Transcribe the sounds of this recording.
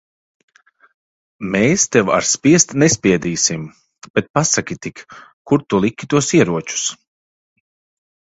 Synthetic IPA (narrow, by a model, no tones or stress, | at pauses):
mɛːst̪ɛwa̰ɾspʲiɛst̪nɛspʲiɛd̪iːsim | b̥ɛt̪̚pasakʲit̪ikkːuɾt̪ulˠikʲit̪uɔsiɛɾuɔt͡ʃu̥s